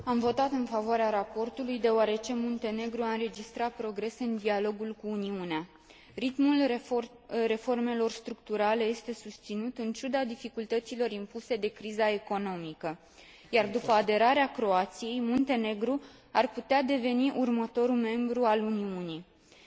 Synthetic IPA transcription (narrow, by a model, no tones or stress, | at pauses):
amvo̞t̪at̪ɨnfavoaɾeaɾapo̞rt̪ulujd̪e̞oaɾe̞t͡ʃe̞mont̪e̞ne̞ɡɾuaɨnɾe̞d͡ʒist̪ɾat̪̚pɾo̞ɡɾe̞sɨnd̪ialo̞ɡulkuːniunea | ɾit̪mul | re̞fo̞rme̞lo̞rst̪ɾukt̪uɾale̞je̞st̪e̞sust̪sinut̪ɨnt͡ʃud̪ad̪ifikult̪ət̪silo̞ɾimpuse̞d̪e̞kɾizae̞ko̞no̞mikə | jard̪upəad̪e̞ɾaɾeakɾo̞at̪sije̞jmunt̪e̞ne̞ɡɾu | arput̪ead̪e̞ve̞niʔurmət̪o̞ɾume̞mbɾualuniuni